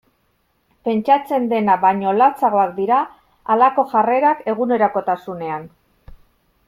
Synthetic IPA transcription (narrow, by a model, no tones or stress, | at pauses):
pe̞nt͡ʃat͡se̞nd̪e̞naβaɲo̞lat͡saɣ̞o̞akd̪iɾaː | lako̞ʝare̞ɾake̞ɣune̞ɾako̞t̪asune̞an